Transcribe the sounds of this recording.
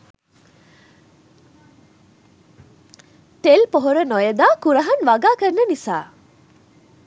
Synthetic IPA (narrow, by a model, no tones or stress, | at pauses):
ʈelpoɦoɾənojəd̪aːkuɾɐɦɐnʋaɡaːkərnːənisa̰ː